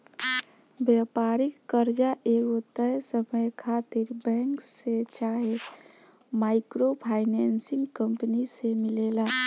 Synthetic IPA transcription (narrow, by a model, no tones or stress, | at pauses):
bjapaɾikːəɾd͡ʒaʔeɡot̪əɦsəməjkʰat̪iɾbɛ̃ŋkset͡ʃaɦe | maɪkɾopʰaɪnɛnsɪ̃ŋɡkəmpənisemɪlela